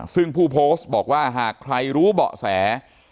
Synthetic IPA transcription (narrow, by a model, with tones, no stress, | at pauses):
sɯ˥˩ŋpʰuː˥˩pʰoː˦˥st̚bɔː˨˩k̚waː˥˩ɦaː˨˩kʰɾa˧jɾuː˦˥bɔ̰˨˩ʔsɛː˩˦